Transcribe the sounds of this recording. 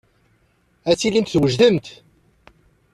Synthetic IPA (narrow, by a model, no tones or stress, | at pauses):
æt͡sːilint̪θwəʒðəmt̪